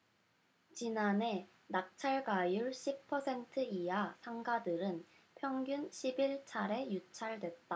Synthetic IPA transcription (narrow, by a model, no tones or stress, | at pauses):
t͡ɕinane̞ | nak̚t͡ɕʰaɭɡajuɭɕʰip̚pʰːʌsʰe̞ntʰɯiasʰaŋɡadɯɾɯn | pʰjʌŋɡjunɕʰibiɭt͡ɕʰaɾe̞jut͡ɕʰaɭdwe̞t̚t͈a